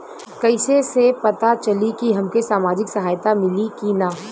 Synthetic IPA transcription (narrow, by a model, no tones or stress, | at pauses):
kɐɪsesepɐt̪at͡ʃɐlikiɦɐmkesaːmaːd͡ʒɪksɐɦaːjt̪amɪlikinaː